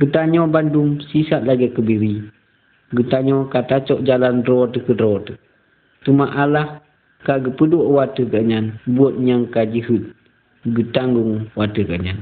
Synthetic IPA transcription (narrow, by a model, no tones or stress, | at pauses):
ɡətaɲɔbandumsisat̚laɡɛkəbiɾi | ɡətaɲɔkatat͡ʃɔʔd͡ʒalandɾɔtəkədɾɔtə | tumaʔalah | kaɡəpəduoʔwatəkaɲanbuɔt̚ɲaŋkad͡ʒəɦət̪̚ | ɡətaŋɡuŋwatəkaʔɲan